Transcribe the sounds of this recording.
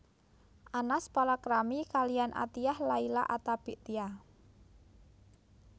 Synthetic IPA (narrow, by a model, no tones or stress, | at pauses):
ʔanaspalakɾamikalijanʔa̰t̪ijahlaila̰ʔat̪ab̥i̤ʔt̪ia